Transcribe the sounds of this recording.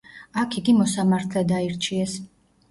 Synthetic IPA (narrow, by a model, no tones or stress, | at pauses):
akʰiɡimɔsamaɾt̪ʰlɛd̪aiɾt͡ʃʰiɛs